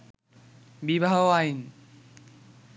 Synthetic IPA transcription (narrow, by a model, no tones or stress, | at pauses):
bibʱaɦoajn